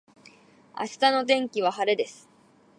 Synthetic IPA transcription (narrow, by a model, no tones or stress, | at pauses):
a̰ɕi̥t̪ano̞t̪ẽ̞ŋkʲiβ̞ahaɾe̞d̪e̞sɨ̥